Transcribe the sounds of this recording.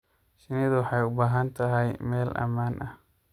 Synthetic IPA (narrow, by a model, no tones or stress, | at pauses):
ʃɪnɪðwɑħɑjʊbaːɦɐnt̪ʰɐɦɛjmɛːlʔɐ̰maːnʔɐh